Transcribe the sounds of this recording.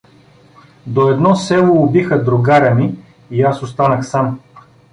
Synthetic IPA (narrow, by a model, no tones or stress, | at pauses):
d̪oɛd̪nɔsɛlˠʊːbixəd̪ɾʊɡaɾɐmi | iasost̪anəxsam